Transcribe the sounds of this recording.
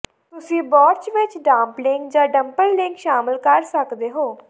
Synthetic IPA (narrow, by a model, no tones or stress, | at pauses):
t̪ʊsĩːbɔːɾt͡ʃʋɪt͡ʃɖãːmplɪŋkd͡ʒãːɖəmpəlːɪŋkʃaːməlkəɾsəkd̪eːɦoː